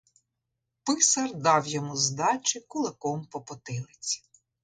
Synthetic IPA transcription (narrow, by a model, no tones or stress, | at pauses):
pɪsɐrd̪ɑwjɔmuzd̪ɑt͡ʃʲɪkʊlˠɪkɔmpɔpɔt̪ɪlˠɪt͡sʲi̥